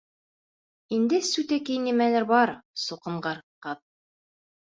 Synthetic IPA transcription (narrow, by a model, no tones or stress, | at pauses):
ind̪ɘsʉt̪ækijnimænæɾbɑɾsuqɤ̆ɴɢɑɾqɑð